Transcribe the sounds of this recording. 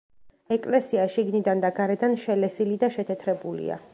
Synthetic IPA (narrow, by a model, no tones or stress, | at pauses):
ɛkʼlɛsiaʃiɡnid̪and̪aɡaɾɛd̪anʃɛlɛsilid̪aʃɛt̪ʰɛt̪ʰɾɛbulḭa̰